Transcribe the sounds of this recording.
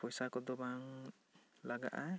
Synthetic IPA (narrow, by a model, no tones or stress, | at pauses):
pɔjsakɔd̪ɔbaŋ | laɡa̰ʔa